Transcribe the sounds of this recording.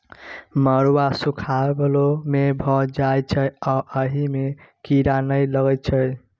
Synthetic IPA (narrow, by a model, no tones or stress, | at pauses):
məɾwasukʰabəlomebʱɔd͡ʒajt͡ʃʰəjaʔəɦimekiɾanəjləɡət͡ʃʰʌj